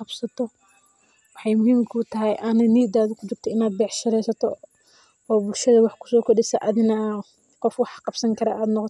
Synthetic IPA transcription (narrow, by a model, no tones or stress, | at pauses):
qɑbsɐt̪ʰɔ | wɑħɑjmʊhiːmkʰʊʊt̪ʰɐɦɛjʔɐnɐniːd̪aːðʊkʰʊt͡ʃɪɾt̪ʰɔɪnaːd̪̚bɛħʃɐɾɛjsɐt̪ʰɔ̰ | ɔːbʊlʃɐðɐwɑħkʰʊ̥sɔːkʰɔdɪsɐ̰ʔɐðɪnɐ | qɔfwɑħqɑbsɐŋkʰɐɾɐ̰ʔaːd̪nɔqɔt̪ʰ